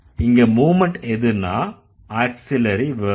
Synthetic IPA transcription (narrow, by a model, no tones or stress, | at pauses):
ɪŋɡɐmuːmɛɳʈɛðɯɾna̰ː | aːʈsɪlɐɾiʋɐ